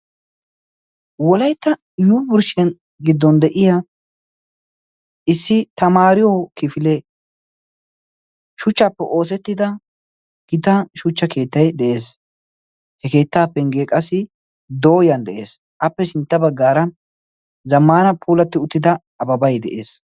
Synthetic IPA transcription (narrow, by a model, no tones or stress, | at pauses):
wɔlɐjt̪ːɐ | juːbʊɾʃɛn | ɡɪd̪ːɔnd̪ɛʔɪja | ɪsːɪt̪ɐmaːɾɪjokɪfɪlɛ | ʃʊt͡ʃːaːpːɛʔo̞ːs̬ɛt̪ːɪd̪ɐ | ɡ̥ɪt̪ɐʃʊt͡ʃːɐke̞ːt̪ːɐjd̪ɛʔe̞ːs | hɛke̞ːt̪ːaːpːɛŋɡekʼɐsːɪ | d̪o̞ːjɐnd̪ɛʔe̞̰ːs | ʔɐpːɛsɪnt̪ːɐbɐɡːaːɾɐ | zɐmːaːnɐpʰuːlɐt̪ːɪʊt̪ːɪd̪ɐ | ɐbɐbɐjd̪ɛʔe̞̰ːs